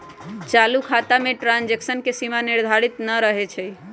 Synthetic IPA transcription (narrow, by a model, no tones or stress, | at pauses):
t͡ʃalukʰat̪ameʈɾand͡ʒeksənkesimaniɾd̪ʱaɾit̪nəɾəɦet͡ʃʰɛ